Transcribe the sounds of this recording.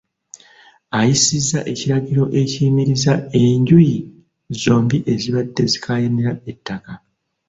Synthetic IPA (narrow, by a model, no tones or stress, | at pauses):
ajisizːaʔe̞ciɾaɟiɾo̞ʔe̞ciːmiɾizae̞ɲɟuji | zo̞ːmbiʔe̞ziβadːe̞zikʰajeneɾae̞tːaka